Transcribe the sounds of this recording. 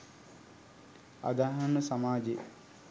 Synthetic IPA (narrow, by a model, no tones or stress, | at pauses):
a̰d̪aːɦanəsamaːd͡ʒe